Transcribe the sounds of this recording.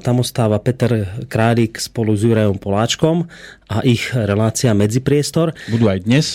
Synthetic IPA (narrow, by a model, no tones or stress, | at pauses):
t̪amɔst̪aːʋapɛt̪ɛɾkɾaːʎikspɔluzjuɾajɔmpɔlaːt͡ʃkɔmʔaʔiɣɾɛlaːt͡siamɛd͡zipɾɪɛst̪ɔɾbud̪uːajd̪ɲɛs